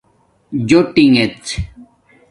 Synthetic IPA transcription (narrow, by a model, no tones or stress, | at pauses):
d͡ʑoʈiŋet͡s